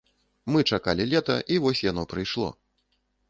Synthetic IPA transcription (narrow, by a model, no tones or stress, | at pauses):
mɨt͡ʂakalʲilʲɛt̪ɐʔivɔsʲjan̪ɔpɾɨjʂlˠɔ̰